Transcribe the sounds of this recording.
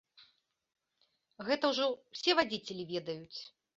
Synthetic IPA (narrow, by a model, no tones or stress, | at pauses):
ɣɛt̪ɐwʐɔwsʲɛvad͡zʲit͡sʲelʲivʲɛd̪ɐjut͡sʲ